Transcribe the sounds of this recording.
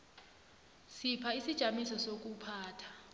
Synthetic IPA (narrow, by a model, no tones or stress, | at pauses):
sipʰaisid̥ʒ̥ʱamisɔsok̬upʰaːtʰḁ